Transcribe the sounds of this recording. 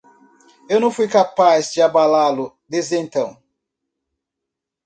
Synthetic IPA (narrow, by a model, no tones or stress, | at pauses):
ewnɐ̃w̃fujkapazd͡ʒɪabalalʊ | d̪ezd̪ẽnt̪ɐ̃w̃